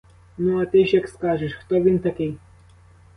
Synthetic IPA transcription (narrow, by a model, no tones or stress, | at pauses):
nɔat̪eʃɛkskaːʒɛʃxt̪oʋint̪akej